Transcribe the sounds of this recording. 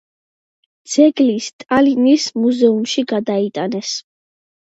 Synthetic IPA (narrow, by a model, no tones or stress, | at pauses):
d̪z̥ɛɡlist̪ʼalinismuzɛumʃiɡad̪ait̪ʼanɛs